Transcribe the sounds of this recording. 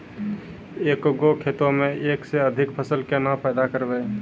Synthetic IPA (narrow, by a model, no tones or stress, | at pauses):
ekɡokʰet̪omeʔekseəd̪ʱikpʰəsəlkenapɛd̪akəɾbɛ